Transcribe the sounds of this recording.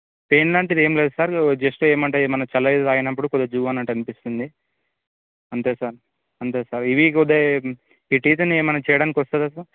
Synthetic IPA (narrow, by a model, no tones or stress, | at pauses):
pe̞ːnlaːɳʈid̪eːmleːd̪usaːɾd͡ʒesʈoeːmɐɳʈeːmɐnɐt͡ʃɐlɐid̪d̪aːjɐnɐp̬ːuɽukɔd̪ːɐd͡ʒuːʋaːnɐɳʈɐnipist̪und̪i | ɐnt̪eːsaːɾ | ɐnt̪eːsaːɾiʋikɔd̪e | iːʈiːt̪ɐnieːmɐnɐt͡ʃɛːjɐɽaːnik̬ʲiʋɐst̪ad̪esa